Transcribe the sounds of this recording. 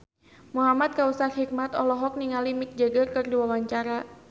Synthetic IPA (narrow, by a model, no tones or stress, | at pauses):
muɦamat̪̚kausathik̚mat̪ɔlɔɦɔk̚niŋalimik̚d͡ʒaɡarkɨrdiwawaɲt͡ʃaɾa